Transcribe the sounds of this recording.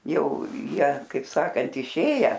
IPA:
ˈjɛʊ ˈjiɛ kɐɪp ˈsɑːkɐnt ɪˈʃʲeːjæː

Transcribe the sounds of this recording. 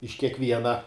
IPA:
ɪʃ kʲiɛkˈʋʲiɛnɐ

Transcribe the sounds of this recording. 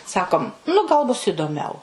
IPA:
ˈsɑːkoːm nʊ ɡɐlˠ ˈbʊs iːdoːˈmʲɛʊ

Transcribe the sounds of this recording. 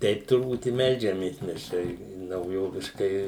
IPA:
ˈtʲɛɪp tʊrˈbuːt ɪ ˈmʲɛlʲd͡ʒʲɛmʲeːs mʲɛs ˈt͡ʃʲɛ ɪ nɐʊˈjoːʋʲɪʃkɐɪ

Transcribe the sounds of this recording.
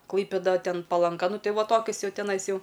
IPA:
ˈklˠɐɪpʲeːdɐ ˈtʲɛn pɐlˠɐŋˈɡɐ ˈnʊ ˈtɐɪ ˈʋɐ ˈtoːkʲʊs ˈjɛʊ tʲɛˈnɐɪs ˈjɛʊ

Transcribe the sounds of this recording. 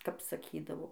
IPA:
kɐp sɐˈkʲiːdɐʋoː

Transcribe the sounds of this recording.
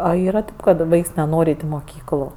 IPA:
ɐ ˈiːrɐ ˈkɐt ˈʋɐɪks nʲɛˈnoːrʲ ˈɐɪtʲ ɪ moːˈkʲiːklˠʊ

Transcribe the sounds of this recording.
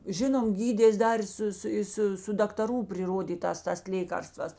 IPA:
ˈʒʲɪnoːm ˈɡʲiːdʲeːs ˈdɐr ɪ ˈsʊ ˈsʊ ˈɪ sʊ sʊ dɐktɐˈruː pʲrʲɪˈroːdʲiːtɑːs ˈtɐs ˈlʲeːkɐrstʋɐs

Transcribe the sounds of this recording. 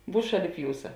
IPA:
ˈbuːs ˈʃɑːˌlʲɪp ˈjuːsɐ

